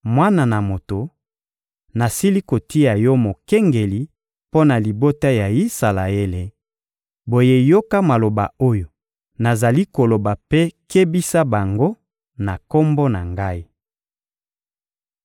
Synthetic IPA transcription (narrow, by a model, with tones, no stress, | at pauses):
mwa˦na˨na˨mo˨to˨ | na˨si˦li˦ko˨ti˦ja˨jɔ˦mo˨kɛ˦ŋɡe˨li˨ | po˦na˨li˨bo˦ta˦ja˨i˦sa˨la˨e˦le˨ | bo˨je˦jo˦ka˦ma˨lo˨ba̰˨o˦jo˨ | na˨za˨li˦ko˨lo˨ba˨pe˦ke˦bi˦sa˦ba˨ŋɡo˦ | na˨ko˦mbo˦na˨ŋɡa˦i˦